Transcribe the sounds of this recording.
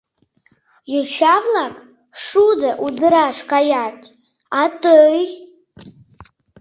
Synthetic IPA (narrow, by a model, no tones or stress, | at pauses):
jɨʃavlakʼ | ʂudaʔudɨɾaʂkʼajatʼ | atʼɨj